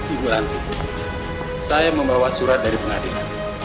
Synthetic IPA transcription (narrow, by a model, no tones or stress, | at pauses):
iɡuɾantu | sajamũmbawasuɾadaɾibunadena